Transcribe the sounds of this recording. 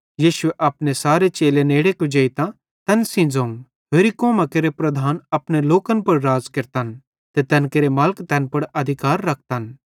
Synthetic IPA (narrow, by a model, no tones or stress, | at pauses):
jiːʃʊeʔɐpnesaːɾet͡ʃeːleneːɽekʊd͡ʒeit̪ã | t̪ɛnsĩd͡zõːŋ | ɦeːɾikoːmakeɾepɾɐd̪ʱaːnɐpneloːkənpɐɽɾaːzkɐɾt̪an | t̪et̪ɛːnkeɾemɐlkt̪ɛ̃npɐɽɐd̪ʱɪkaːɾːɐk̚ʰt̪an